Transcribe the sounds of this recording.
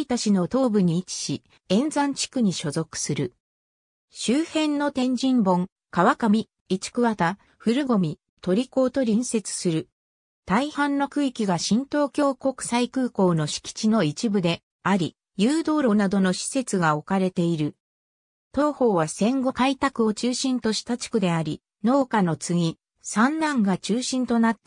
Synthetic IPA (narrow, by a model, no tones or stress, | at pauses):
it̪aɕino̞t̪o̞ːbɯ̟ɲ̟iːt͡ɕi̥ɕi | ẽ̞nd͡zãɲt͡ɕi̥kɯ̟ɲ̟iɕo̞zo̞kɯ̟̥sɨɾɯ̟ | ɕɨːhẽ̞nno̞t̪ẽ̞ɲ̟d͡ʑĩmbõ̞ŋ | kaβakamʲiː | t͡ɕi̥kɯ̟βat̪a | ɸɯ̟ɾɯ̟ɡo̞mʲi | t̪o̞ɾʲiko̞ːt̪o̞ɾʲĩɰ̃se̞t͡sɨ̥sɨɾɯ̟ | t̪aihãnːo̞kɯ̟ikʲiɡaɕĩnt̪o̞ːkʲo̞ːko̞kɯ̟̥saikɯ̟ːko̞ːno̞ɕi̥kʲi̥t͡ɕino̞it͡ɕibɯ̟d̪e̞ | aɾʲi | jɯːd̪o̞ːɾoːnad̪o̞no̞ɕi̥se̞t͡sɨɡao̞kaɾe̞t̪e̞iɾɯ̟ | t̪o̞ːho̞ːβasẽ̞ŋɡo̞kait̪akɯ̟o̞t͡ɕɨːɕĩnt̪o̞ɕi̥t̪at͡ɕi̥kɯ̟d̪e̞aɾʲi | no̞ːkano̞t͡sɨɡʲi | sãnːãŋɡat͡ɕɨːɕĩnt̪o̞nat̪ːe